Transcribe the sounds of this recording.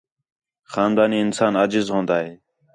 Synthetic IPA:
xaːnd̪aːniːɪnsaːnaːd͡ʒɪzɦõːnd̪aːɦeː

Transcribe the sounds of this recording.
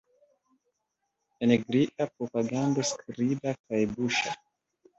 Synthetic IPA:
eneɡɾiʔapɾopaɡand̪askɾidakajbuʃa

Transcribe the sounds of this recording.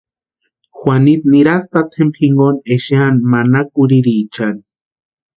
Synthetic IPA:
xwanit̪niɾast̪at̪ʰempxiŋɡoneʃjanmanakuɾiɾit͡ʃani

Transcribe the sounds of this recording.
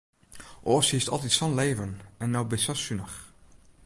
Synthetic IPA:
ʔoːshistɑ̰lˠt̬itsɔnleːvənɛnːɔwbɪsasynəx

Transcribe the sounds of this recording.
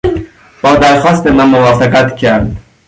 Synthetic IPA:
b̥ɒːd̪æɾxɒːst̪emænmovɒːfæqæt̪cʰæɾd̪

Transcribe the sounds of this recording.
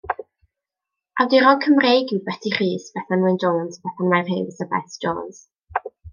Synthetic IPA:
awdiɾɔŋkʰəmrejɡibɛtʰiχiːsb̥ɛθanwɪnd͡ʒɔnsb̥ɛθanmajr̥hejvsəbɛ̰θd͡ʒɔ̰ːns

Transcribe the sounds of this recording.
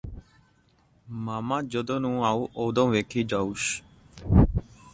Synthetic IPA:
maːmãːd͡ʒəd̪õːnũːaːuːʔoːd̪õːʋeːkʰiːd͡ʒaːuːʃ

